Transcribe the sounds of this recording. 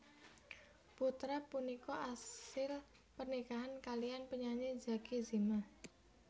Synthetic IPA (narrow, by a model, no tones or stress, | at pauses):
put̪ɾapunikɔasɪl | pərnikaɦankalianpəɲaɲed͡ʒakizima